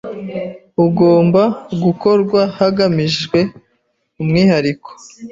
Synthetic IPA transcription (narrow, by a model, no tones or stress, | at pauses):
uɡo̞ːmbaɡuko̞ɾɡwahaɡamiʒɡwe̞ | umŋiːhaɾikʰo̥